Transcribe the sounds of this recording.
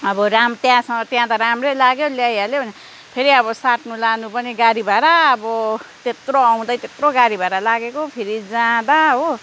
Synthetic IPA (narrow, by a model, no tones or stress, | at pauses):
ʌbʌramt̪jãsʌŋɡʌt̪jãt̪aɾamrelaɡjoljajalebʱʌne | pʰeɾiʌβʌsaʈnulanupʌniɡaɾibʱaɾaːbʌt̪et̪roʌw̃d̪ʌjt̪et̪roɡaɾibʱaɾalaɡekopʰiɾid͡zãd̪aɦo